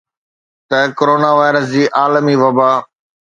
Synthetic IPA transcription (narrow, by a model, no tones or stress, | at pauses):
t̪ɐkoɾoːnaːʋaːɪɾəs̬d͡ʑiːʔaːləmiːʋɐbaː